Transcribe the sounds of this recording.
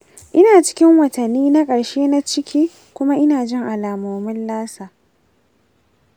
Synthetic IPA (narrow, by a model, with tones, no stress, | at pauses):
ʔɪ˦naː˨t͡ʃɪ̥˦kʲɪ˦ŋwɐ˨tɐ˨nːiː˦na˦kʼɐ˨ɽʃeː˦na˦t͡ʃɪ˦kʲʰiː˦ | kʷʊ˦ma˦ʔɪ˦naː˨d͡ʒɪ˦ŋʔa˨laː˨moː˨mɪ˦nlaː˦saː˨